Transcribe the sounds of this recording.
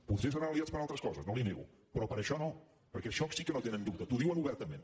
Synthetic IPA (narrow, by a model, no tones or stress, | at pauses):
puðɾiəs̬əɾaəliatt͡sspəɾalˠt̪ɾəskɔzəznoliniɣṵ | pɾɔpəɾəʃɔno | pəɾkɛʃɔksikənot̪enənd̪up̚t̪ət̪uðiwənuβɛɾt̪əmẽn